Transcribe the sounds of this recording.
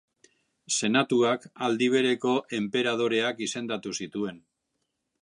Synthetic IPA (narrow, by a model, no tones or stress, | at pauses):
se̞nat̪uakald̪iβ̞e̞ɾe̞ko̞ʔe̞mpe̞ɾað̞o̞ɾe̞akise̞nd̪at̪usit̪ue̞n